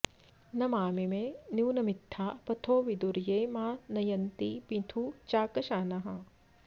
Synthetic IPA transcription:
nɐmaːmimẽniwnɐmit̪ʰːaːpɐt̪ʰoːʋid̪uɾjejmaːnɐjɐnt̪ipit̪ʰut͡ʃaːkɐʃaːnɐɦɐ

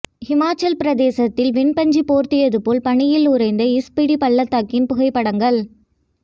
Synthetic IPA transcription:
hɪmaːt͡ʃːɐlpɪɾɐðeːsɐt̪ːɪlʋɪnpɐɲd͡ʒipoːɾt̪ɪjɐðɯpoːlpɐɳɪjɪlʊɾɐɪnd̪ɐɪspɪɽipɐɭːɐt̪ːaːkːɪnpʊɣɐɪpːɐɽɐŋɡɐɭ

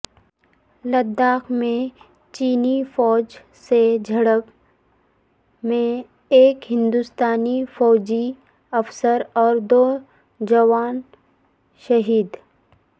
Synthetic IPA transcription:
lɐd̪ːaːkmẽ | t͡ʃiːnifɔːd͡ʒ | sed͡ʒʱɐɽəb | mẽ | eːkɦɪ̃nd̪ust̪aːnifɔːd͡ʒi | ɐfsəɾɔːɾd̪oː | d͡ʒɐʋaːn | ʃɐɦiːd̪

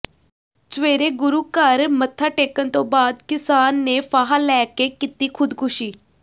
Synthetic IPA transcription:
t͡ʃʋeːɾeːɡʊɾuːkəɾmət̪ʰːaːʈeːkənt̪õːbaːd̪kɪsaːnːeːpaːɦaːlɛːkeːkɪt̪iːkʰʊd̪kʰʊʃiː

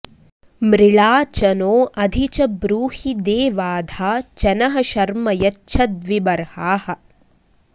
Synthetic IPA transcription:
mɾɪɭaːt͡ʃɐnoːʔɐd̪ʱit͡ʃɐbɾuːhid̪eːʋaːd̪ʱaːt͡ʃɐnɐɦɐʃɐɾmɐjɐtːʃʰɐd̪ʋibɐɾhaːhɐ̆

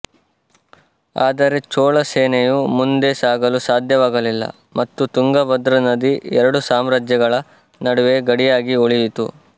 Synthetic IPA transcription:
a̰ːd̪ɐɾe̞t͡ʃoːɭɐseːnejumund̪e̞saːɡɐlusaːd̪ʱjɐʋaːɡɐlilːɐ̰ | mɐt̪ːut̪uŋɡɐʋɐd̪ɾɐnɐd̪iɛɾɐɽusaːmɾaːd͡ʒjɐɡɐɭɐ | nɐɽuʋe̞ɡɐɽijaːɡioɭijit̪ṵ

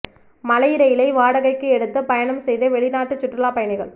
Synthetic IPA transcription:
mɐlɐjɪɾɐjɪlɐɪʋaːɽɐɣɐɪkːɯɛɽɯt̪ːɯpɐjɐɳɐmsɛjðɐʋɛɭɪnaːʈːɯt͡ʃːʊʈrɯlaːpɐjɐɳɪɣɐɭ

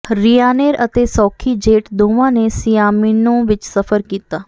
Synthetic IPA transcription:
ɾijaːneːɾət̪eːsɔːkʰiːd͡ʒeːʈd̪oːʋãːneːsɪjaːminõːʋɪt͡ʃsəfʰəɾkiːt̪aː

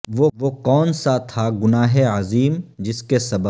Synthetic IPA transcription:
ʋoʋokɔːnsat̪ʰaɡʊnaːɦeɐziːmd͡ʒɪskesɐbə

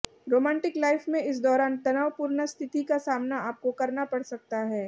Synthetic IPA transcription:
ɾoːmɛ̃ːɳʈɪklaːɪfmẽɪs̬d̪ɔːɾaːnt̪ɐnaːʋpuːɾnəst̪ʰɪt̪ikasaːmnaaːp̚kokɐɾnapɐɽsɐk̚t̪aɦɛː

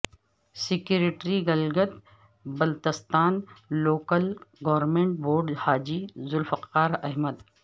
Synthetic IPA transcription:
sɪkjuɾɪʈɾiɡɐlɡət̪ | bɐlt̪əst̪aːnːoːkəlɡɔʋɾmẽːɳʈ̚boːɾɖhaːd͡ʒizʊlfɐqːaːɾɐɦməd̪

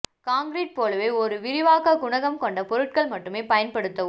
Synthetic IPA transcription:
kaːŋɡɾiːʈ̚poːlɐʋeːɔɾɯʋɪɾɪʋaːkɐɡʊɳɐɣɐmkɔɳɖɐpɔɾɯʈ̚kɐɭmɐʈːɯmeːpɐjɐnpɐɽɯt̪ːɐ

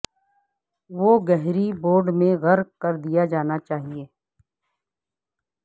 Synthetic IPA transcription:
ʋoɡɛɦɾiboːɾɖmẽɣɐɾkkɐɾd̪ijad͡ʒaːnat͡ʃaːɦieː

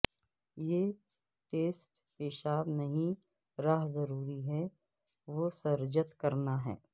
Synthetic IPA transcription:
jeː | ʈeːsʈ | ɪʃaːbnɐɦĩ | ɾaːɦzɐɾuːɾiɦɛ | ʋosɐɾd͡ʒət̪kɐɾnaɦɛ̰ː

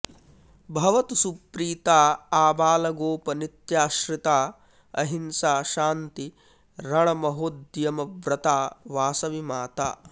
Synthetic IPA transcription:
bʱɐʋɐt̪usupɾiːt̪aːaːbaːlɐɡoːpɐnit̪jaːʃɾit̪aː | ɐ̰ɦinsaːʃaːnt̪i | ɾɐɳɐmɐɦod̪jɐmɐʋɾɐt̪aːʋaːsɐʋimaːt̪aː

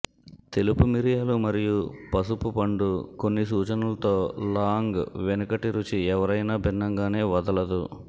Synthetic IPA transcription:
t̪e̞lupumiɾijaːlumɐɾijupɐsupupɐɳɖuko̞nːisuːt͡ʃɐnulɐt̪o̞ːlaːŋɡʋenukɐʈiɾut͡ʃiɛʋɐɾɐjnaːbʱinːɐŋɡaːne̞ːʋɐd̪ɐlɐd̪u

